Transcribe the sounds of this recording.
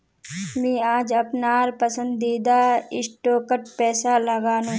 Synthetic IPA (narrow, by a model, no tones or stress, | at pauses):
mɛ̃ːaːd͡ʒɐpnaːɾpəsə̃nd̪iːd̪aɪsʈoːkəʈ̚pɛːsaləɡaːnũː